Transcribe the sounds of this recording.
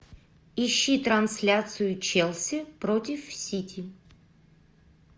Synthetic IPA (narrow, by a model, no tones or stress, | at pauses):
iɕːit̪ɾansʲlʲat̪sɨjʊt͡ʃɛlˠsʲipɾot̪ʲifsʲitʲʰi